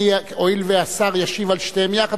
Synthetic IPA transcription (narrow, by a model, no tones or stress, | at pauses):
oilveasaʁjaʃivalʃt̪eemjaχa